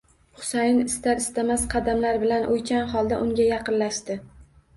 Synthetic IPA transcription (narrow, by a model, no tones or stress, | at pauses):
χʊ̥sajɪnɪst̪aɾɪst̪amasqʰɑd̪amlaɾbɪlanʔojkʲʰanχɒlˠd̪aʔʊŋɡʲajɑqɨnlaʃt̪ɪ